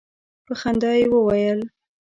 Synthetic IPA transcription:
pəxand̪ɑjewəwajəl

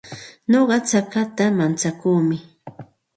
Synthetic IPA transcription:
noɢɑt͡sakat̪amant͡sakuːmɪ

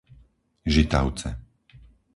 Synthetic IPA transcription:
ʒit̪a̰ʊt͡sɛ̰

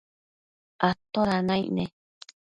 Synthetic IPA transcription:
at̪oɾanãḭʔnẽ

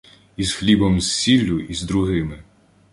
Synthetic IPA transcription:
izxlʲibɔmssʲilʲːʊʔizd̪ɾuɦɪmɪ

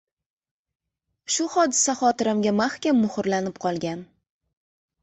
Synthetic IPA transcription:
ʃʊχɒd̪ɪsaχɒt̪ɪɾɪmɡʲamaχkʲamːʊχʊɾlanɪpqʰɒlˠɡʲan

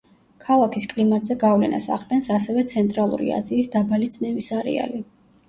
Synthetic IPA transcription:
kʰalˠakʰiskʼlimat̪ʼz̥ɛɡavlɛ̰na̰sa̰χd̪ʼɛnsasɛvɛt̪sʰɛnt̪ʼɾalˠṵɾḭa̰ziːsd̪abalid̪sʼnɛvisaɾɛ̰a̰li

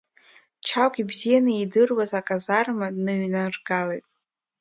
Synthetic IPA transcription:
t͡ʃʰakʷʰʲʼibzijanɨidɨrwazakʼazarmadnɨɥnarɡalejtʼ

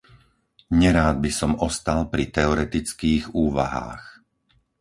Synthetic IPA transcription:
ɲɛɾaːd̪̚bisɔmɔst̪alpɾit̪ɛɔɾɛt̪it͡skiːɣuːʋa̰ɦa̰ːx

